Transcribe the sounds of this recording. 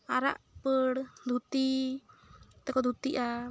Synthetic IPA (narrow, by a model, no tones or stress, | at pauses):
aɾa̰ʔpəɽd̪ʱut̪i | t̪ɛkɔd̪ʱut̪iʔa